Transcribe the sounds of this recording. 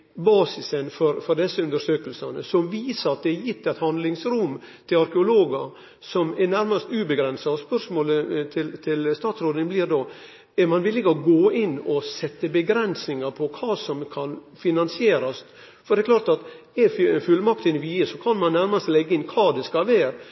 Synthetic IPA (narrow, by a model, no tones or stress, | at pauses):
bɑːsɪsənfɔɾfɔɾɖ̪ɛsːəʉnd̪əʂøːkəlsɑnə̰sɔmʋiːsəɾɑt̪̚d̪ɛɛjɪt̪ːɛɪt̪hɑnd̪lɪŋsɾʊmː | t̪ʰɪlɑɾkɛʊloːɡə | sɔmɛnæɾmɑst̪ʉːbəɡɾɛnsɑɔspœɾʂmoːlət̪ʰɪlt̪ʰɪlst̪ɑːt̪sɾoːd̪ənbliːɾd̪oː | ɛɾmɑnʋɪlːɪɡəɔɡoːɪnːɔsɛt̪ːəbəɡɾɛnsnɪŋɑpʰɔkʰɑːsɔmkʰɑn | fɪnɑnsɪeːɾɑst̪ | fɔɾɖ̪ɛklɑːɾt̪ɑt̪ | ɛfʉlmɑkt̪ɪnɪʋiːəsɔkʰɑnmɑnːæɾmɑst̪lɛɡːəɪnkʰɑːd̪ɛskɑʋæːɾ